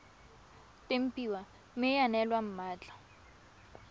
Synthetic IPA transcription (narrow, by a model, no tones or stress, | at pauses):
tem̩piwa | mɪjanɛlwam̩maːt͡ɬḁ